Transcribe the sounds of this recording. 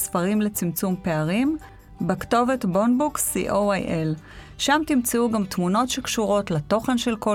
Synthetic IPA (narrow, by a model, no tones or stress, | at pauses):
sfɐʁimle̞t͡simt͡sumpe̞aʁim | bekto̞ve̞tbo̞nbuksḭʔoajʔel | ʃamtimt͡seuɡamtmuno̞tʃe̞kʃuʁo̞tlato̞χe̞nʃe̞lko